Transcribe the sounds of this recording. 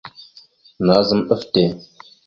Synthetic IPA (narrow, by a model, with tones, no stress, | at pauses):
na˨˦zə˦mɗə˦fte˨